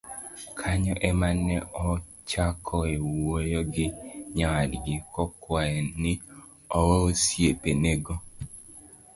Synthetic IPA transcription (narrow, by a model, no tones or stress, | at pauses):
kʰaɲɔʔɛmanɛɔ | t͡ʃakʰɔewojoɡɪɲaadɡikɔkwaɛnɪ | ɔwoosiepeneɡo